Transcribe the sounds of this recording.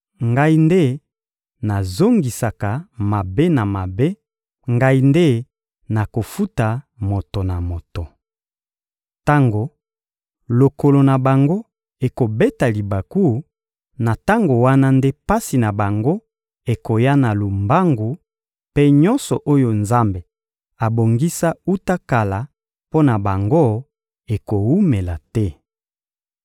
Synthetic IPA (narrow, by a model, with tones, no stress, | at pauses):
ŋɡa˦i˦nde˦ | na˨zo˦ŋɡi˨sa˨ka˨ma˨be˦na˨ma˨be˦ | ŋɡa˦i˦nde˦ | na˨ko˨fu˦ta˨ | mo˨to˨na˨mo˨to˨ | ta˦ŋɡo˨ | lo˨ko˨lo˨na˨ba˨ŋɡo˦ | e˨ko˨be˦ta˨li˨ba˨ku˦ | na˨ta˦ŋɡo˨wa˦na˦nde˦pa˦si˨na˨ba˨ŋɡo˦ | e˨ko˨ja˦na˨lu˨mba˦ŋɡu˨ | pe˦ɲɔ˦nsɔ˨ʔo˦jo˨nza˦mbe˨ | a˨bo˨ŋɡi˦sa˦u˦ta˦ka˨la˨ | po˦na˨ba˨ŋɡo˦ | e˨ko˨wu˦me˨la˨tɛ˦